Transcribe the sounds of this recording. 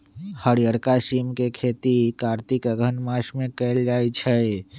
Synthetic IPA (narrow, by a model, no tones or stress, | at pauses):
həɾijəɾkasimkekʰet̪ikaɾt̪ikəɡʱənmasmekəld͡ʒajt͡ʃʰə